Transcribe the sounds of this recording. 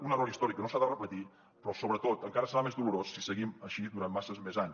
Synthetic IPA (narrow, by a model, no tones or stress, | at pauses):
unəroɾist̪ɔɾikənosaðərəpət̪i | pɾɔsoβɾət̪ot̪əŋkaɾəsəɾamezðuluɾosːisəɣiməʃiðuɾammasəzmezaɲ